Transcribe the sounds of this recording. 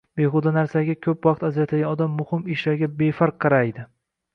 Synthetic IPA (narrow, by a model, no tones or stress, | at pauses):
b̥eχʊd̪anaɾsaɡʲakʲʰɵpvɑqt̪azɾat̪ʰaɡʲanɒd̪amːʊhɪmɪʃlaɾɡʲabe̞faɾqʰːɨɾajd̪ɪ